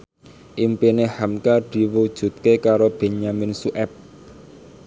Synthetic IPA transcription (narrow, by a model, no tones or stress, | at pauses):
ʔimpinehamkad̪̥i̤wud̥ʒ̥ṳt̪̚kekaɾob̥e̤ɲamɪnsuʔɛp̚